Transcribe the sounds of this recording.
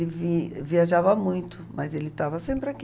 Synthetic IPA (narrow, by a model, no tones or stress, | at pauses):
lɪviviaʒavɐmũj̃t̪ʊmɐzelɪt̪avɐsẽmpɾɪak